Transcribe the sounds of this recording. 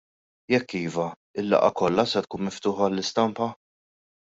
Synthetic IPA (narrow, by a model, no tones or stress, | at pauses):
jɛkːiːvɐ | ɪlːɐ̰ʔɐ̰kɔlːɐsɛt̪̚kuːnmɪft̪ʊːħɐːlːɪst̪ɐmpɐ